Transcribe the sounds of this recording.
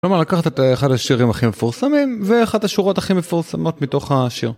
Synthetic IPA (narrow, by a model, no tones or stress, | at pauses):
lomaʁlakaχat̪eteχadaʃiʁimaχimefuʁsamimveaχadaʃuʁo̞taχimefuʁsamo̞tmito̞χaʃiʁ